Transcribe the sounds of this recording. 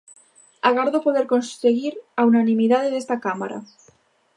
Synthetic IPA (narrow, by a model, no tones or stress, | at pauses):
aɣaɾðopo̞ð̞e̞ɾko̞nseɣiɾaunanĩmiðaðeðest̪akamaɾa̰